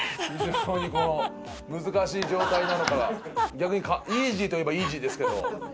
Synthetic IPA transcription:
çiʑo̞ːɲ̟iko̞no̞ | mɯ̟zɨkaɕiːʑo̞ːt̪ainano̞kaɡa̰ɡʲakɯ̟ɲ̟ikaiːʑiːt̪o̞je̞baiːʑiːd̪e̞sɨ̥ked̪o̞̰

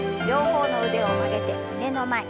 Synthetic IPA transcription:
joːhoːnoɯd̪eomaɾet̪ḛɯnenomae

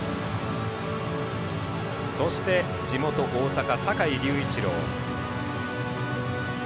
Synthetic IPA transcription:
so̞ɕi̥t̪e̞ | d͡ʑimo̞t̪o̞ʔoːsakasakaiɾʲɨːit͡ɕiɾo̞̰ː

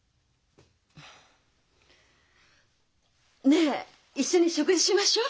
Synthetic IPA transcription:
ne | iɕːoɲ̟iɕokɯd͡ʑiɕimaɕo

